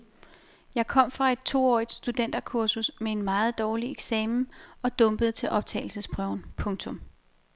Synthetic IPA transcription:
jɑ̈ɪkʰɒ̽m̰fʁɑ̈e̝d̥̚t͡sʰo̝̰ːɒ̰ːid̥sd̥ud̥en̰d̥ɐkʰuɐsusmee̝nmɑ̈ːð̞̩ˠd̥ɒːlieɡ̥sɛːmn̩ɒ̽d̥ɔ̽mb̥əð̩ˠt͡sʰe̝ʔɒ̽b̥̚t͡sʰɛ̰ːɪl̩səsb̥ʁœʊ̰npʰɔ̽ŋt͡sʰɔ̽m

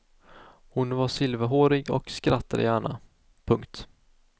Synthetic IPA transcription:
hʊnvaʂɪlvəɦoːɾɪɡɔ̰kskɾat̪ʰːad̪ə̰jæːɳa̰ | pʰɵŋkt̪

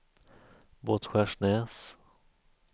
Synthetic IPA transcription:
boːt̪ɧæʂnɛːs

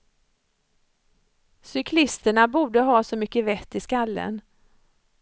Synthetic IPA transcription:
sʏkʰlɪst̪əɳabuːɖəɦɑːsɔmʏkːəvɛt̪ːɪskalːə̰n

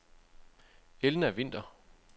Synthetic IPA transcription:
elnəæʋe̝n̰d̥ɐ

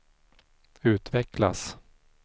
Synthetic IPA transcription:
ʉ̟ːt̪vɛkla̰s

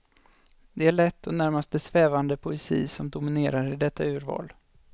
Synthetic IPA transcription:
d̪ɛæɭɛt̪ːɔnæɾmast̪d̪əsvɛːvand̪əpʰʊɛsḭːsɔmd̪ʊmɪneːɾaɾɪd̪ɛt̪ːaʉ̟ːɾvɑ̰ːl

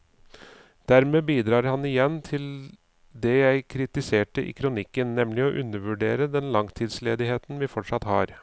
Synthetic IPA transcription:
d̪̥æɾmeːbiːd̪ɾɑːɾhɑnɪjɛnːt̪ʰɪl | d̪ɛjæɪkʰɾɪt̪ɪseːʈəʔḭːkʰɾʊnɪkːənːɛmlɪɔːʔʉnːəʋʉɖeːɾəd̪ɛnlɑŋt̪ʰiːd̪sleːd̪ɪɦeːt̪n̩ʋɪːfɔʈʂɑt̪hɑ̰ːɾ

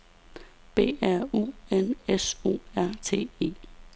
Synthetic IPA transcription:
b̥e̝̰ːæɐ̰ṵːeneso̝̰ːæɐ̰t͡sʰe̝̰ːe̝̰ː

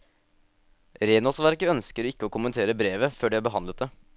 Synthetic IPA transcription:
ɾeːnɔlsʋæɾkəœnskəɾɪkːəoːkʊmənt̪ʰeːɾəbɾeːʋəføːɖiæːbəɦɑnd̪lət̪̚d̪ə

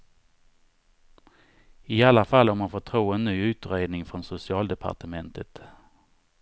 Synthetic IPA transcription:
ɪalːafalːɔɾmanfot̪ʰɾuːɛnːyːʉ̟ːt̪ɾeːd̪nɪŋfɾɔnsʊsɪɑːld̪ɛpʰa̰ʈəmɛnt̪ʰət̪

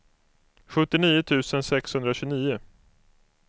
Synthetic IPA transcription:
ɧɵt̪ːɪniːʊt̪ʰʉ̟ːsənsɛkshɵnd̪ɾaɕɵniːʊ

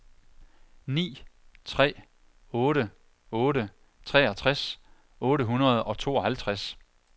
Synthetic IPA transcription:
nḭːt͡sʰʁɛ̰ː | ɔːɾə | ɔ̽ːɾə | t͡sʰʁɛ̰ɒt͡sʰʁas | ɔ̽ːɾəɦunɐð̞ˠɒ̽t͡sʰo̝̰ːɒ̽ɦælt͡sʰʁas

